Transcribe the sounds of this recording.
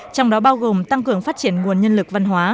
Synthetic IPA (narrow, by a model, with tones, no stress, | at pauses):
t͡ɕɔ˧wŋ͡mɗɔ˨˦ɓaː˧wɣo˨˩mt̪a˧ŋkɨ˨˩əŋfaː˦˥t̚t͡ɕi˧˩ənŋu˨˩ənɲə˧nlɨ˨˩k̚va˧nɦwaː˨˦